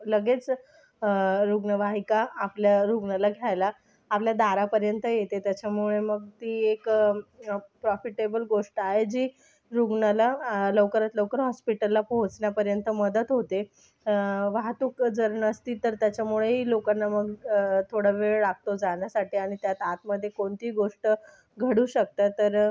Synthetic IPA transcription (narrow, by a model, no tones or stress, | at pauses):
ləɡet͡s | ɾuɡɳəʋaɦikaːpljaɾuɡɳalaɡʱjajlaː | pljad̪aɾapəɾjənt̪əjet̪et̪jat͡ɕamuɭeməɡt̪iːek | pɾɔfiʈebəlɡoʂʈaɦed͡ʑiː | ɾuɡɳəlaləwkəɾat̪ləwkəɾɦɔspiʈəlːapoɦõt͡sɳjapəɾjənt̪əməd̪ət̪ɦot̪e | ʋaɦt̪uːkd͡zəɾəɳəst̪iːt̪əɾt̪jat͡ɕjamuɭeɦiːlokanːaməɡt̪ʰoɽaʋeɭɽak̚t̪od͡zaɳjasaʈiːaɽ̃it̪jat̪at̪məd̪ʱːjekoɳt̪iːɡoʂʈə | ɡʱəɽuːɕək̚t̪at̪əɾ